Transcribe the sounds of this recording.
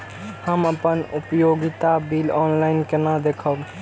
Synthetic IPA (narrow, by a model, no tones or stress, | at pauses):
həməpənupjoɡit̪abilɔnlaɪnkenãd̪ekʰəb